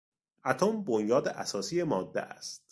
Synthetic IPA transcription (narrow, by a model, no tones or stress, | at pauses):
ʔæt̪ʰombonjɒːd̪eʔæ̰sɒːsiːjemɒːd̪ːḛʔæ̰st̪